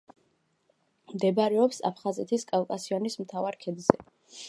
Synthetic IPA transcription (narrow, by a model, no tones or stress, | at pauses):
md̪ɛbaɾɛɔpsa̰pʰχazɛt̪ʰiskʼalkʼasiɔnismt̪ʰavaɾkʰɛd̪zɛ